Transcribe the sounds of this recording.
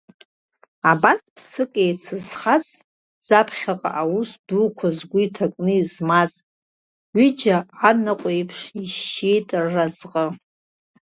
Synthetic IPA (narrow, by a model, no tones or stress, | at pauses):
abatʰʼpsɨkʼejt͡sʰɨzχaz | z̥apʰχʲaqʼa̰ʔawusdukʷʰazɡʷʊitʰakʼnɨizmazʼ | wʷid͡ʒaanaqʷʼejpʰʂiʃejtʼrːazqʼə